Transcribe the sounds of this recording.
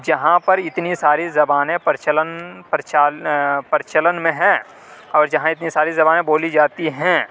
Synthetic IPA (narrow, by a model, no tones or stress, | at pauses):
d͡ʒɐɦãpɐɾɪt̪nisaːɾizɐbaːnẽpɐɾɪt͡ʃələnpɾɪt͡ʃaːpəɾɪt͡ʃələnmẽɦɛ̃ː | ɔːɾd͡ʒɐɦãɪt̪nisaːɾizɐbaːnẽboːlid͡ʒaːt̪iɦɛ̃ː